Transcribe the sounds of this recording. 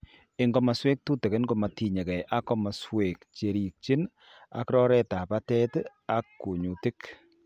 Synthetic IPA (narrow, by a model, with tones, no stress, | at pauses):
ɪ˨ŋɡɔ˦ma˨swe˦k̚tu˦te˨ke˦nɡɔ˨ma˨ti˨ɲe˨kɛ˨ʔa˦kɔ˦ma˨swe˨kt͡ʃe˨ɾi˨k̚t͡ʃi˦n | a̰˨kɾɔ˦ɾɛ˦ta˨pa˦tɛ˦t | a˦kːu˨ɲu˨ti˦k